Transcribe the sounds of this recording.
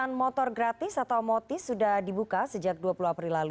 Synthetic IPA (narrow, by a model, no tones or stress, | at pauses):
anmɔt̪ɔrɡɾat̪ɪsat̪awmɔt̪ɪfsudahdibukasəd͡ʒak̚duapuluapɾilalu